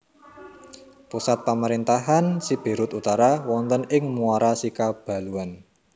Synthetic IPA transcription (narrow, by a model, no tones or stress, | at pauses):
pusat̪̚paməɾint̪aɦansib̥e̤ɾʊt̪ut̪aɾawɔnt̪ənɪŋmuaɾasikab̥a̤luan